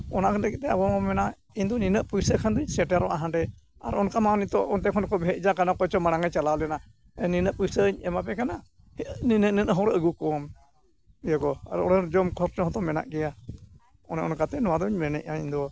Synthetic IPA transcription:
ɔnakʰaləkit̪ɛabɔmamɛna | iɲd̪ɔninəʔpujsəkʰand̪uɲsɛʈaɾɔʔaɦãɖɛ | a̰ɾɔnkamanit̪ɔʔɔnt̪ɛkʰɔnkɔbʱɛʔ̚d͡ʒakanakɔt͡ʃɔmaɽ̃aŋat͡ʃalalɛna | ɛninəʔpujsəɲɛmapɛkana | ninənənəɦɔɾɛʔəɡukɔm | jɔɡɔa̰ɾɔɽɛɾd͡ʒɔmkʰɔɾt͡ʃɔɦɔt̪ɔmɛna̰ʔɡɛja | ɔnɛʔɔnkat̪ɛnɔwad̪ɔɲmɛnɛ̰ʔaiɲd̪ɔ

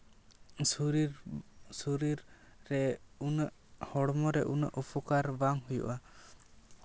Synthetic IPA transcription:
uɾisuɾiɾː | ɛunəʔhɔɽmɔɾɛʔunə̰ʔupʰɔkaɾbaŋhujṵʔa

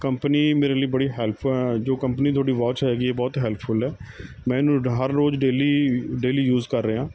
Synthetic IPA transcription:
kəmpəniːmeːɾeːləiːbəɽiːɦɛːlpʰːd͡ʒoːkəmpniːt̪ʰʊaːɽiːʋaːt͡ʃɦɛːɡiːeːbɔːt̪ɦɛːlpʰʊlɦɛː | mɛ̃ːnũːɦəɾːoːzɖeːliːɖeːliːjuːzkəɾːeːɦãː

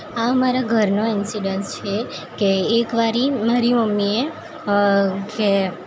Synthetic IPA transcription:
aəmaɾaɡʱəɾnoɪnsiɖənst͡ʃʰe | keːkʋaɾimaɾiməmːie | ke

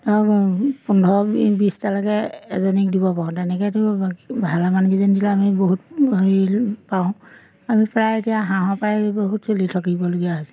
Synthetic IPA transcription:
tɔkpundʱɔbistalakɛ̰ːzɔnik̚dibɔpaɔ̃tɛnɛkɛtʊbʱalamankizindilaːmiboɦutbʱɔɹipaʊ̃ | amipɹajetijaɦãɦɔ̃pajboɦutsolitʰɔkibɔloɡijaɦisɛ̥

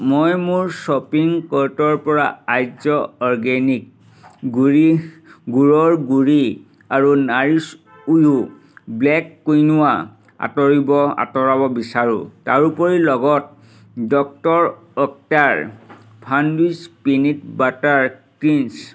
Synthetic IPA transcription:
mojmuɹsɔpiŋkɔtɔɹpɔɹaajzɔɔɹɡɛnik̚ | ɡuɹi | ɡuɹɔɹɡuɹi | aɹunaɹis | ujɦu | blɛkːojnʊwa | a̰tɔɹibɔa̰tɔɹabɔbisaɹṵ̃taɹupɔɹilɔɡɔt̚ | dɔk̚tɔɹ | ɔk̚taɹ | pʰandispinitbataɹkɹins

